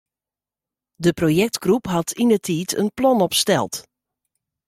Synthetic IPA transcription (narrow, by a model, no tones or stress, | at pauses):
dəprojɛk̚tɡ̥rupɦɑtʰinətʰiːtʰə̰nplɔnɔpstɛ̰lˠt